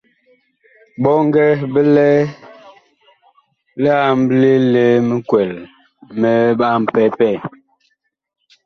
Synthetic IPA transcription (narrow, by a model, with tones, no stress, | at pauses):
ɓɔ˦ŋ˦ɡɛ˦bə˦lɛ˦ | lɛ˦a˨m˦ble˦le˦mə˦kwɛ˨l | mə˦ɓa˦m̩˨pɛ˦pɛ˦˨